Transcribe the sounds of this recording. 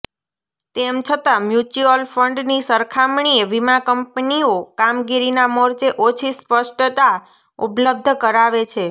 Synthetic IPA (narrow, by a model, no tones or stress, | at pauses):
t̪emt͡ʃʰət̪amjut͡ʃuəlfəɳɖnisəɾkʰamɳ̃ieʋimakəmpniokamɡiɾinamoɾt͡ʃeʔot͡ʃʰispəʃʈt̪a | upləb̚d̪ʱkəɾaʋet͡ʃʰe